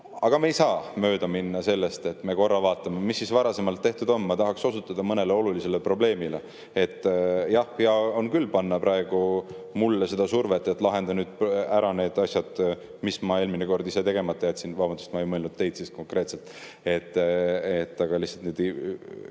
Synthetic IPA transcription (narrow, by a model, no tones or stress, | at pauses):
ɑɡ̥ɑmejsɑːmø̞ːd̪ɑminːɑse̞lːe̞st̪e̞t̪ːme̞ko̞rːɑvɑːt̪ːˑɑmemisːisvɑɾɑse̞mɑlt̪ːeht̪ud̪o̞nmɑt̪ɑɦɑkso̞sut̪ːˑɑd̪̥ɑmɤne̞leo̞lulise̞lepro̞ble̞ːmile̞ | e̞t̪ːˑjɑhjɑo̞nkylːpɑnːɑpɾɑe̞ɡ̥u | mulːese̞d̪̥ɑsurve̞t̪ːˑet̪ːˑlɑɦe̞nd̪ɑnyːd̪̥̚pæɾɑne̞ːd̪̥ɑsjɑd̪̥ | mismɑe̞ːlmineko̞rd̪ise̞t̪e̞ɡ̥e̞mɑt̪ːˑɑjæt̪sinvɑːbɑnd̪ust̪mɑe̞jmɤlnud̪̥̚t̪ːe̞jd̪̥sisko̞ŋkre̞ːt̪selt̪ːˑ | e̞t̪ːˑet̪ːɑɡ̥ɑlihsːɑlt̪ned̪